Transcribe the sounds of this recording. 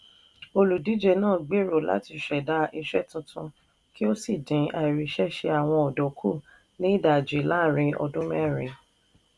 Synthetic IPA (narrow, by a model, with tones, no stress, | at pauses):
o˧lu˨di˨˦d͡ʒe˧˨nãː˦˨ɡ͡be˦˨ɾo˨la̰˨˦ti˧˨ʃɛ˨da˧˦ʔi˧ʃɛ˦˨tũ˧tũ˧ | ki˦o˦si˦˨dĩ˨˦a˨i˨ɾi˨˦ʃɛ˦ʃe˧a˨w̃ɔ̃˧ɔ˨dɔ˨kʰu˦˨ | nĩ˦˨da˨d͡ʒi˨˦la˦˨ɾ̃ĩ˧ɔ̰˧dũ˦mɛ̃˦˨ɾĩ˨˦